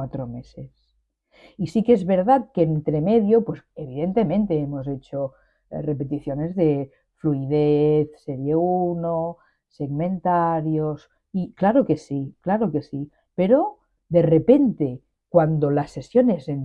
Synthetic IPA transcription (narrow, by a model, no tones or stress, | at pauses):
wat̪ɾomeses | isikezβe̞ɾð̞at̪̚keːnt̪ɾemeðjopweseβ̞iðent̪e̞mẽnt̪eemozet͡ʃo | repe̞t̪iθjone̞zðe | fluið̞eθseɾjeuno | seɣmẽnt̪aɾjos | iklaɾoke̞siklaɾokesi | peɾo | d̪e̞repe̞nt̪e | kwand̪olasːe̞sjonezen